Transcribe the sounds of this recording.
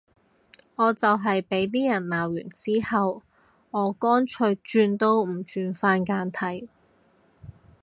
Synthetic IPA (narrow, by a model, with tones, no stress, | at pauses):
ŋɔː˨˧t͡sɐ˨wɦɐ˨jpe˨˥jt̪iː˥jɐ˨˩nnaː˨˩wjy̰ː˨˩nt͡siː˥hɐ˨w | ŋɔː˨˧kɔː˥nt͡ʃʰɵ˧ɥt͡ʃyː˧nt̪o˥wm̩˨˩t͡ʃyː˧nfaː˧nkaː˧nt̪ʰɐ˨˩j